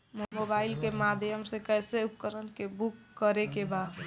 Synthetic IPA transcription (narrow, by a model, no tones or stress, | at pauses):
mmobailkemad̪ʱjəmsẽkəjseup̚kəɾənkebukːəɾekeba